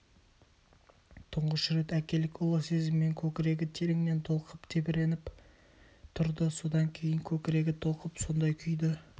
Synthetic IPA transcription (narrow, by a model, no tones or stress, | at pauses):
t̪ʰʊɴʁəʃɪɾe̞t̪ækʲe̞lɪkʊlˠəse̞zɪmːe̞ŋkʲʰɵkʲɪɾe̞ɡʲɪt̪ʰeɾɪŋne̞nt̪ʰo̞lˠqʰəpt̪ʰe̞bɪɾe̞nɪp | t̪ʰʊɾd̪əso̞d̪ɑŋkʲʰe̞jɪŋkʲʰɵkʲɪɾe̞ɡʲɪt̪ʰo̞lˠqəpso̞nd̪ɑjkʲʰʏjd̪ɪ